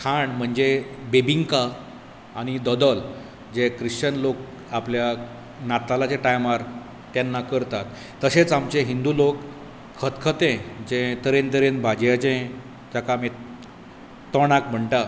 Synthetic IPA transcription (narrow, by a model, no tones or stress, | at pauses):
kʰaɳm̤əɳd͡zebebiŋkaː | ñid̪əd̪əl | d͡ʑekɾiɕt͡ɕənlok̚ | aplja | nat̪alat͡seʈajmaɾ | t̪janːakəɾt̪at̪ː | əɕet͡samt͡ɕeɦind̪ulokʰː | ət̪kʰət̪ẽd͡ʑẽt̪əɾent̪əɾenbʱad͡ʑjat͡ɕẽ | d͡ʑakame | t̪əɽ̃akm̤əɳʈa